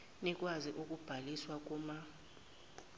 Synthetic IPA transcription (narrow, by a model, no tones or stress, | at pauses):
nɛkʼwaziʔukʼub̥ʱaliswakʼuːma